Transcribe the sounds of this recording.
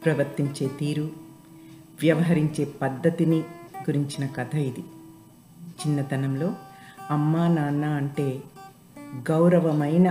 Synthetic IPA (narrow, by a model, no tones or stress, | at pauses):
pɾɐʋɐɾt̪iɲt͡ʃe̞ːt̪iːɾu | ʋjɐʋɐɦɐɾiɲt͡ʃe̞ːpɐd̪ːɐt̪iniɡuɾiɲt͡ʃinɐkɐt̪ʰɐid̪i | t͡ʃinːɐt̪ɐnɐmlo̞ːɐmːaːnaːnːaɐɳʈe̞ː | ɡɐwɾɐʋɐmɐjnɐ